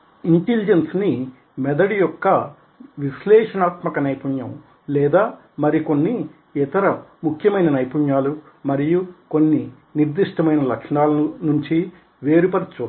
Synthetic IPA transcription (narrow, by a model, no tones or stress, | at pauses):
iɳʈelid͡ʒensni | mɛd̪ɐɽijɔkːɐ | ʋislɛːʂɐnaːt̪mɐkɐnɐjpuɲjɐm | lɛːd̪aː | mɐɾiko̞nːi | ɛt̪ɐɾɐmukʰjɐmɐjnɐnɐjpuɲjaːlu | mɐɾijuko̞nːi | niɾd̪iʂʈɐmɐjnɐlɐkʂɳaːlɐnuɲt͡ʃi | ʋe̞ːɾupɐɾɐt͡ʃuː